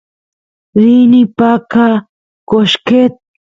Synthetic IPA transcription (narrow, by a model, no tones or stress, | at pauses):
ɾinipaka | koʃket̪̚